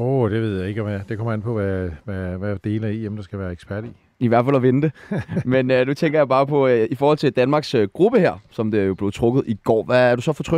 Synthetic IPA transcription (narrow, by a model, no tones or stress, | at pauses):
od̥e̝ʋe̝ð̞̰ˠjɑ̈e̝ɡ̥ɒæd̥e̝kʰɒ̽mɐenpʰɒ̽ʋæʋæʋæd̥e̝ːlɐiemnd̥ɑsɡ̥æʋæːɐeɡ̥spʰæɐ̰ɾ̥i | iʋæɐ̰d̥fælɒʋenəd̥e̝menønut͡sʰeŋɡ̥ɐjɑ̈b̥ɑ̈ːpʰɒ̽ifɒːhɒ̽l̰t͡sʰe̝d̥ænmɑ̈ːɡ̥søɡ̥ʁub̥əheɐ̰sɒ̽md̥e̝æjo̝b̥le̝ð̩ˠt͡sʰʁɔ̽ɡ̥ð̩ˠiɡ̥ɒ̰ːʋææɐd̥usɒ̽fɒt͡sʰʁœ